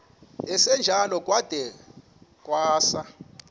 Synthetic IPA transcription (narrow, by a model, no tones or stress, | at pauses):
ɛsɛnd͡ʒʱalɔkʼwad̥ʱɛ | kʼwaːsa